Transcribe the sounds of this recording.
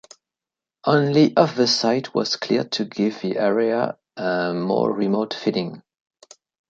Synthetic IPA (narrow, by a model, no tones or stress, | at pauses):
ʔõʊ̃nliʔʌvəsaɪt̚ʰwʌ̰z̥kʰl̥ɪ̰ɹtʰɨɡɪvðiʔɛɹiə | əmɔ̰ɹɹimotfiɾɪ̃ŋ